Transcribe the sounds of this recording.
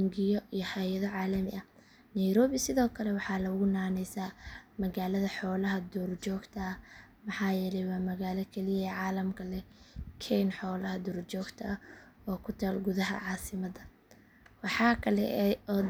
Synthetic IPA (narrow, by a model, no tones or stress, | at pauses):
ŋɡɪjɔijɞhɐjɐðɔʕɑːlɐmɪʔɐ | nɛjɾɔːβɪsɪðɔːkʰɐlɛwɑħɑːlɐʊɣʊnaːnɛjsaːmɐɣaːlɐðɐħɔːlɐɦɐd̪ɔrt͡ʃɔːɡt̪ʰɐː | mɑħɑːjɛːlɛjwaːmɐɣaːlɐkʰɛlɪjɐːʕɑːlɐmkʰɐlɛkʰɛjnħɔːlɐhɐd̪ɔːrt͡ʃɔːɡt̪ʰɐː | ɔːkʰʊt̪ʰaːlɡʊðɐɦɐ̰ʕɑːsɪmɐd̪ɐ | wɑħɑːkʰɐlɛ̰ɔː